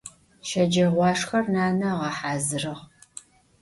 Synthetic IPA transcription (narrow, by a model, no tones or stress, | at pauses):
ʃɐd͡ʒɐʁʷɑːʂxɐrnaːnɐʁɐħaːzɨrɨʁ